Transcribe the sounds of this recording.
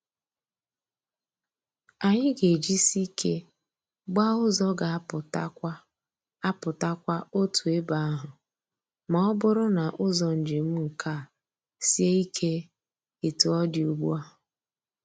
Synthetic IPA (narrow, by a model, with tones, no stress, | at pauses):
a˨ɲɪ˦ɡe˨d͡ʒi˦si˦kʰe˦ | ɡ͡ba˦ʊ˦zɔ˦ɡa˨˦pʊ˨ta˦ | a˦pʊ˨ta˦kʷa˦o˦tu˨e˦ba˨a˦ɦʊ˨ | mɔ˨ɔ˦bʊ˦ɾʊ˦na˨ʔʊ˦zɔ˨n̩˨d͡ʒɪ˨m̩˦ŋ̩˨ka˦˨ | si˦e˦i˦kʰe˦ | ɪ˨tu˦ɔ˦dɪ˨u˨ɡ͡bu˦a˦ʊ˨